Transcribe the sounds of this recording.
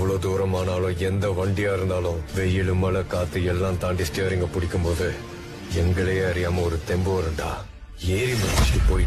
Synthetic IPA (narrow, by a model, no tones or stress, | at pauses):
ʋɐɭoːd̪uːɾɐmaːnaːlʊ̃ɛnd̪ɐʋɐɳɖɪjaːɪɾɯnd̪aːlʊ̃ʋɛjɪɭɯmɐlɐkaːt̪ːɯɛlːãːt̪aːɳɖɪsʈejɐɾɪŋɡɐpʊɽɪkʲːɯmpoːðɯ | ɛŋɡɐɭɐjɐɐɾɪjaːmɐɔɾɯt̪ɛmboːɾɯɳɖa̰ː | eːɾimɐt͡ʃːipoːɾɪ